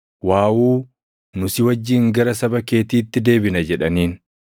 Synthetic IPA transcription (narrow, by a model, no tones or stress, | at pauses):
waːwuː | nʊsɪwɐd͡ʒːiːŋɡɐɾɐsɐbɐke̞ːt̪iːt̪ːɪd̪e̞ːbɪnɐd͡ʒɛᶑɐniːn